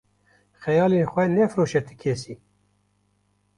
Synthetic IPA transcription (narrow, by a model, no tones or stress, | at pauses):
xɛjɑːlenxʷɛnɛfɾoːʃɛt̪ʰɨ̥kʰeːsi